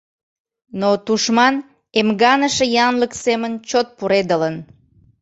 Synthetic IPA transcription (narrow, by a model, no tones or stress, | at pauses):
not̪uʃmɑn | emɡɑnəʃəjɑnləksemənt͡ɕot̪̚puɾed̪ələn